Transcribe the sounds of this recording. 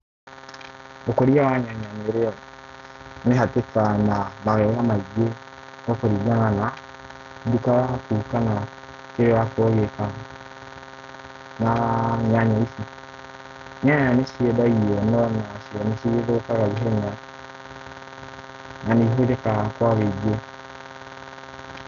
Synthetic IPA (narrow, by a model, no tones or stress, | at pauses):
okoɾijawaɲaɲaɲeɾeɔ | neɦatekanamaɣɛɣamaɡe | okoɾiɡanana | dukaakuːkana | kewakoɣeka | naɲaɲaisi | ɲaɲaaneʃiedajiɔnɔnaʃiɔneʃieɾokaɣaβiɦɛɲa | naniɦuɾekakwaɣeɡe